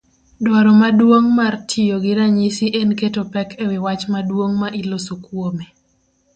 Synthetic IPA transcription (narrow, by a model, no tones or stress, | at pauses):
dɔɾɔmadwoŋmartʰɪjoɡɪɾaɲisiʔenketopɛkʰewɪwat͡ʃmadwoŋmaʔilosokwome